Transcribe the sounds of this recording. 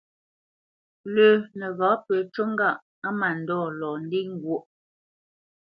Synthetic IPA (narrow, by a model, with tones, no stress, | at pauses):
lə˨nə˨ɣa˨˦pə˨t͡ʃo˦ŋ˦ɡa˦˨ʔ | a˦ma˨n̩˨dɔː˦˨lɔ˨n˦di˦ŋ˦ɡwo˦ʔ